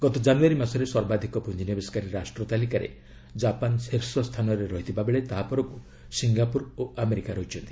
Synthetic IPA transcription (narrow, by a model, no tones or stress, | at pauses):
ɡ̥ɔt̪ɔd͡ʒanuaɾimasɔɾeswɔɾbad̪ʱikɔpund͡ʒinjɔbeskaɾiɾasʈɾɔt̪alikaɾḛ | d͡ʒapanseɾsɔst̪ʰanɔɾeɾɔɦit̪ʰibabeɭet̪aɦapɔɾɔku | siŋɡapuɾoameɾikaɾɔɦit͡ʃʰɔnt̪i̥